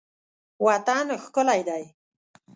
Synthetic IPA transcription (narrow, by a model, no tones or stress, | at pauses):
wɑt̪anxkʊlajd̪aj